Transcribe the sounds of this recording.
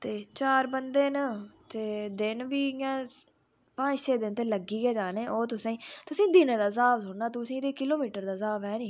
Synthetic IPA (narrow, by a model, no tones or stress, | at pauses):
t̪eːt͡ʃaːɾbənd̪eːnət̪eːd̪ɪnʋiːjãː | pə̃ːd͡ʒʃeːd̪ɪnt̪eːləɡiːɡɛːd͡ʒaːnẽːʔoːt̪ʊsãːĩːt̪ʊsĩːd̪ɪnːd̪aːzaːbsʊɳnaːt̪ʊsĩːt̪eːkɪloːmiːʈəɾd̪aːzaːbɦɛːniː